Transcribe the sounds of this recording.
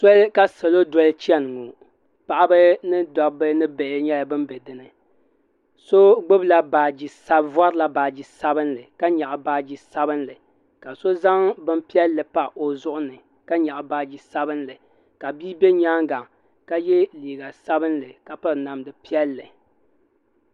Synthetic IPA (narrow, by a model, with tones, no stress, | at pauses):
so˦lka˦sɛ˨lo˦dɔ˦lt͡ʃi˦ɛ˦n˨ŋu˨ | pa˨ʔa˦bɨ˦nɨ˦dɔ˨bɨ˦nɨ˦bɛ˨ʔɪ˦ɲɛ˦la˨bɨ˦mbɛ˨dɨ˦nɨ˦ | so˦ɡ͡bɨ˦bla˦baː˨d͡ʒi˨sa˦bva˦ɾla˨baː˨d͡ʒi˨sa˦bɨ˦nlɨ˨ka˦ɲa˨ʔa˨baː˨d͡ʒi˨sa˦bɨ˦nlɨ˨ | ka˨so˦za˦ŋbɨ˦mpi˦ɛ˦lːɨ˨pa˦ʔo˨zʊ˦ʔʊ˦nɨ˨ | ka˦ɲa˨ʔa˨baː˨d͡ʒi˨sa˦bɨ˦nlɨ˨ | ka˨bi˦bɛ˦ɲaː˦ŋɡa˨ŋ | ka˦jɛ˦liː˨ɡa˨sa˦bɨ˦nlɨ˨ka˨pa˦˨na˨mdɨ˨pi˦ɛ˦lːɨ˨